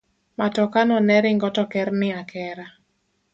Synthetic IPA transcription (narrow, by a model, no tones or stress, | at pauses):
matɔkanɔnɛɾɪŋɡɔtɔkɛrnɪakɛɾa